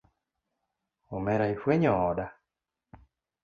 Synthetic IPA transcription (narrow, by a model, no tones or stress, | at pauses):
omɛɾaifweɲɔːda